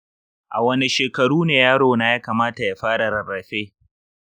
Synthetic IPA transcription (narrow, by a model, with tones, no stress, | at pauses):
ʔa˨wɐ˦ni˦ʃeː˨kɐ˨ɽuː˦neː˨jaː˦ɽoː˨na˨jaː˦kaː˨maː˦ta˨ja˦ɸaː˦ɽa˨ɾɐ˨ɾɐ˨ɸeː˦